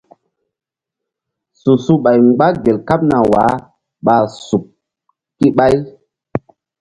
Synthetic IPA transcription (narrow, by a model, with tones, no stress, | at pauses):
su˨su˦ɓa˨jŋɡ͡ba˦ɡe˨lka˦p̚na˨wa̰˨˦ | ɓa˨su˨p̚ | ki˦ɓa˦j